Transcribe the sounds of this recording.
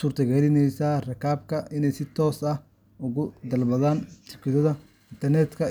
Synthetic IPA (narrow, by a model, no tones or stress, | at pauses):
suːɾt̪ʰɐɡɛlɪnɛjsaːrɛkaːbkʰɐʔɪnɛjsɪt̪ʰɔːsɐh | ʊɣʊd̪ɐlbɐðaːnt̪ʰʊkʰɪðɐðɐ | ɪnt̪ʰɐrnɛt̪kʰɐ